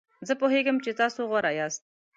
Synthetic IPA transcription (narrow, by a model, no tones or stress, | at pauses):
zəpoɦeɡəmt͡ʃet̪ɑsoɣwaɾɑjɑst̪̚